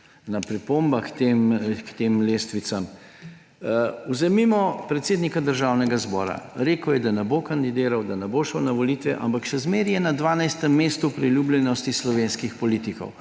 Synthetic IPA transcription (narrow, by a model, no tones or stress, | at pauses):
napɾipombakt̪emkt̪emlest̪ʋit̪sam | uzɛmimɔpɾɛt̪seːd̪nikad̪əɾʒawnɛɡazbɔ̰ːɾa̰ɾeːkəwjɛd̪anɛbokand̪id̪eːɾawd̪anɛboʃəwnaʋɔliːt̪ʋɛʔa̰mpakʃɛzmeɾjɛnad̪ʋaːnajst̪ɛmːeːst̪upɾiljublʲjɛnɔst̪islɔʋeːnskixpɔlit̪ikɔ̰w